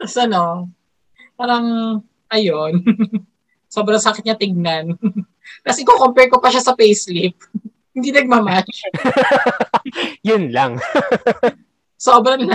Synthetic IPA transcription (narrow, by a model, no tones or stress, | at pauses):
t̪ɐsɐno | paːɾɐŋ | ʔɐjon | so̞ːbɾɐŋsakɪt̪ɲat̪ɪɡ̚nan | kɐsɛʔɪkokompɛɹko̞pɐʃasɐpejslip̚ | hɪnd̪inɐɡ̚mɐmaʃ | jʊnlaŋ | soːbɾɐnla